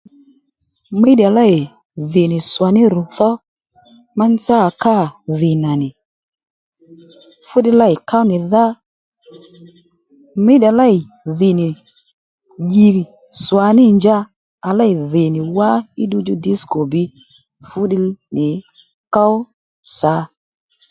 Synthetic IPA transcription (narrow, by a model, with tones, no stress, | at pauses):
me˦di˨a˨la˦ɪ˨ | ðɪ˨nɪ˨swa˨nɪ˦ɾʊ˨θɔ˦ | ma˦n˦t͡sa˦˨ka˦˨ðɪ˨na˨nɪ˨ | fʊ˦dɪ˧˦la˦ɪ˨ka˦wnɪ˨ða˦ | me˦ɗa˨la˦ɪ˨ | ðɪ˨nɪ˨ | ɡi˨ɾi˨ | swa˨nɪ˦˨nd͡ʒa˧ | a˨la˦ɪ˨ðɪ˨nɪ˨wa˦ɪ˦du˧d͡ʒʊ˦dɪ˦sko˨bɪ˧ | fʊ˦ɗɪ˧nɪ˨ | ka˦ | sa˨˦